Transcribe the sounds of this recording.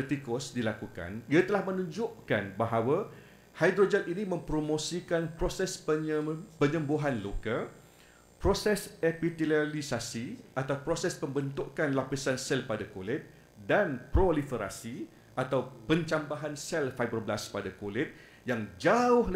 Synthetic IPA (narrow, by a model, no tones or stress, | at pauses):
t̪ikɔsdilakuka̰niat̪əlahmənũɲd͡ʒʊʔkanbaɦawa | hajd̪ɾod͡ʒat̪inimə̃mpɾomõsikanpɾosɛs | pəɲə̃mboɦanloka | pɾosɛsepit̪ilalisasiat̪awpɾosɛspəmbənt̪ʊʔkanlapisansɛlpadakolɪt̪̚ | danpɾolifəɾa̰si | at̪awpəɲt͡ʃambaɦansɛlfajbəblaspadakolɪt̪̚ | jaŋd͡ʒaʊh